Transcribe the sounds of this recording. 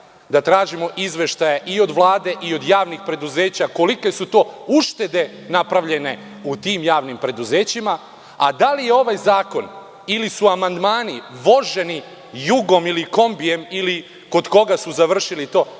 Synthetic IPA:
d̪at̪ɾaːʒimo̞ʔizʋe̞ʃt̪ajaʔio̞d̪ʋlˠaːd̪e̞ʔio̞d̪jaːʋnixpɾe̞d̪uze̞ːt͡ɕako̞like̞sut̪o̞ːuʃt̪e̞d̪e̞ | napɾaʋʎe̞ne̞ | ut̪iːmjaːʋnimpɾe̞d̪uze̞ːt͡ɕima | ad̪alije̞o̞ʋajzaːko̞n | ilisuamand̪maːniʋo̞ʒe̞ni | juɡo̞miliko̞mbije̞mili | ko̞d̪ko̞ɡasuzaʋr̩ʃilit̪o̞ː

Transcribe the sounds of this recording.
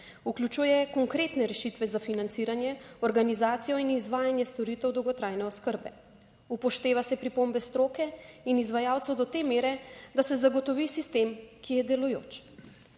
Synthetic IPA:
uklʲut͡ʃuːjɛkɔŋkɾeːt̪nɛɾɛʃit̪ʋɛzafinant̪siːɾanjɛɔɾɡanizaːt̪sijɔinizʋaːjanjɛst̪ɔɾit̪ɛwd̪ɔwɡɔt̪ɾaːjnɛɔskəɾbɛ | upɔʃt̪eːʋasɛpɾipombɛst̪ɾoːkɛinizʋajaːwt̪sɔwd̪ɔt̪eːmeːɾɛd̪asɛzaɡɔt̪ɔʋisist̪eːmkijɛd̪ɛlujo̰ːt͡ʃ

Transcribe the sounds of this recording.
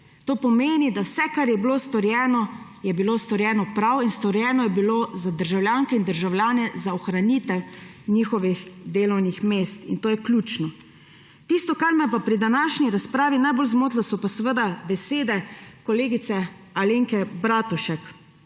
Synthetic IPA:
t̪oːpɔmeːnid̪awsɛkaɾjɛbiloːst̪ɔɾjɛːnɔjɛbiloːst̪ɔɾjɛːnɔpɾawinst̪ɔɾjɛːnɔjɛbilozad̪əɾʒawlʲjaŋkɛind̪əɾʒawlʲjaːnɛzaɔxɾanit̪ɛwniːxɔʋixd̪eːlɔwnixmeːst̪int̪oːjɛklʲjuːt͡ʃnɔ | t̪ist̪ɔkaɾmɛpapɾid̪anaʃniɾaspɾaːʋinajbolzmoːt̪lasɔpasɛʋəd̪abɛseːd̪ɛkɔleːɡit̪sɛaleŋkɛbɾaːt̪uʃak

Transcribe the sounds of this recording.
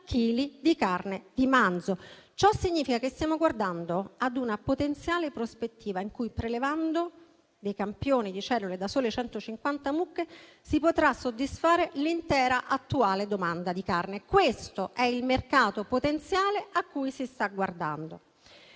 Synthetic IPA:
kʰːiːlid̪ikarned̪imand̪zot͡ʃɔsiɲːiːfikakest̪jaːmoɡward̪and̪oad̪unapot̪ent̪sjaːlepɾospet̪ːiːvaiŋkujpɾelevand̪o | d̪ejkampjoːnid̪it͡ʃɛlːuled̪asoːlet͡ʃɛnt̪ot͡ʃiŋkwant̪amukːe | sipot̪ɾasːod̪ːisfaːɾelint̪ɛːɾaʔat̪ːuaːled̪omand̪ad̪ikarnekwest̪oʔɛilmerkaːt̪opot̪ent̪sjaːleakːujsist̪aɡward̪a̰nd̪o

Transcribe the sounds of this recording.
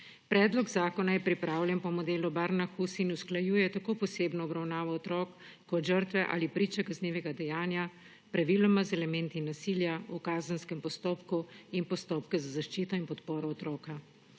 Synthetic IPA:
pɾɛːd̪lɔɡzaːkɔnajɛpɾipɾaːwljɛnpɔmɔd̪eːlubaɾnaxusinusklajuːjɛt̪akoːpɔseːbnɔːbɾawnaːʋɔɔt̪ɾɔːkː | ɔt̪ʒəɾt̪ʋɛʔa̰ːlipɾiːt͡ʃɛkazneːʋɛɡad̪ɛjaːnja | pɾaʋilɔmazɛlɛmɛnt̪inasiljaukaːzənskɛmpɔst̪oːpkuinpɔst̪oːpkɛzazaʃt͡ʃiːt̪ɔinpɔt̪poːɾɔːt̪ɾɔːka

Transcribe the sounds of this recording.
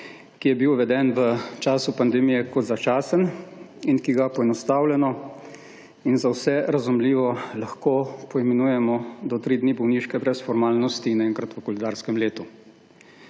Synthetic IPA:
kijɛbiwʋɛd̪ɛnʋət͡ʃaːsupand̪ɛmijɛkɔt̪zat͡ʃaːsən | inkiɡapɔɛnɔst̪aːwlɛnɔ | inzawsɛɾazumliːʋɔlaxkoːpɔimɛnuːjɛmɔd̪ɔt̪ɾid̪niːbɔwniːʃkɛbɾɛsfɔɾmaːlnɔst̪inɛŋkɾat̪ʋəkɔlɛd̪aːɾskɛmleːt̪u

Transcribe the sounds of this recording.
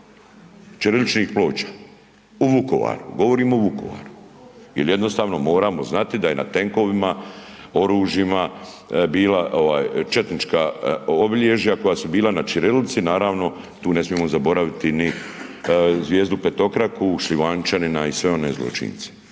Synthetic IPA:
t͡ʃiɾelit͡ʃnixplo̞ːt͡ʃḁː | uʋuko̰ʋa̰ːɾuɡo̞ʋo̞ɾiːmoʋuko̞̰ʋa̰ːɾu | jelje̞d̪no̞st̪aːʋno̞mo̞ːɾaːmo̞znat̪id̪aje̞na̰t̪e̞ŋko̞ʋimao̞ɾuːʒjima | biːlaʔo̞ʋaːjt͡ʃe̞t̪nit͡ʃkaobiʎe̞ʒjako̞jaːsubiːlˠanat͡ʃiɾelit̪sinaːɾaːʋno̞ | t̪uːne̞smije̞mozabo̞ɾaʋit̪ini | zʋjeːzd̪upe̞t̪o̞kɾakuʃliʋant͡ʃaninaisʋe̞o̞ne̞̰ːzlˠo̰t͡ʃḭnt̪se̥

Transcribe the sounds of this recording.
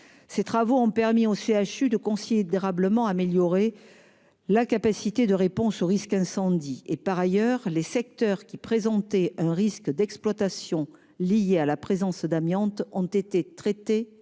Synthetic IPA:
set̪χavoɔ̃pɛʁmioseaʃyd̪əkɔ̃sid̪eʁabləmɑ̃ameljɔʁe | lakapasit̪ed̪əʁepɔ̃soʁiskɛ̃sɑ̃d̪iepaʁajœʁlesɛk̚t̪œʁkʲipχezɑ̃t̪ɛɛ̃ʁiskd̪ɛksplwat̪asjɔ̃ | lijealapχezɑ̃sd̪amjɑ̃t̪ɔ̃t̪et̪et̪χet̪e

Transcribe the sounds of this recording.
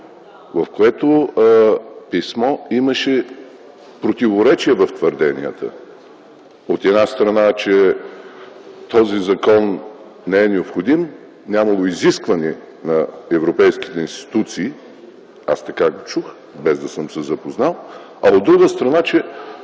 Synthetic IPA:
vɐfkoɛt̪o | pismɔiməʃɛ | pɾot̪ivoɾɛt͡ʃiɛvɐft̪vəɾd̪ɛnḭə̰t̪ə̰ | ot̪ɛd̪nast̪ɾɐnat͡ʃɛ | t̪ɔzizɐkɔn | nɛːnɛopxod̪im | nʲamɐlˠoiziskvɐnʲiɛ | nɐɛvɾopɛjsk̟i̥t̪ɛĩnst̪i̥t̪ut̪siː | ast̪ɐkaɡot͡ʃux | bɛzd̪ɐsəmsɛzɐpoznalˠ | ɐod̪ːɾuɡəst̪ɾɐnat͡ʃɛ

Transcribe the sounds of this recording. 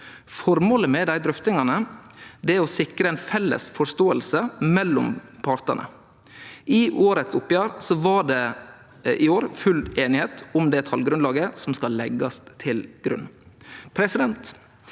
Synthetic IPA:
fɔɾmoːləmɛd̪æɪd̪ɾʏft̪ɪŋɑnəd̪ɛɔsɪkɾəɛnfɛlːə̰sfɔʂt̪oːəlsəmɛlːʊmpʰɑɾt̪ənə̰ | ʔɪʔoːɾət̪sʊpːjæːɾsɔʋɑɖɛ | ʔɪoːɾfʉleːnɪheːt̪ʰʊmd̪ɛːt̪ʰɑlɡɾʉnlɑːɡəsɔmskɑlːɛɡɑst̪ʰɪlɡ̥ɾʉ̰nːpʰɾɛsɪd̪ɛnt̪

